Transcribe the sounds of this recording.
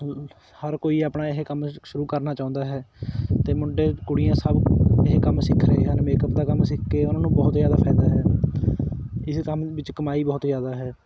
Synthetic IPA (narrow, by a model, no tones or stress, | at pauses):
həɾkoːiːaːpnaːɪɦekəmʃʊɾuːkəɾnaːt͡ʃãːnd̪aːɦɛːt̪eːmʊɳɖeːkʊɽɪjãːsəbɪɦekəmsɪkʰːɾeːeɦənmeːkəpd̪aːkəmsɪkʰːeːʊnãːnũːbɔːt̪zjaːd̪aːpʰɛːd̪aːɦɛː | ɪskəmʋɪt͡ʃkəmaːiːbɔːt̪zjaːd̪aːɦɛː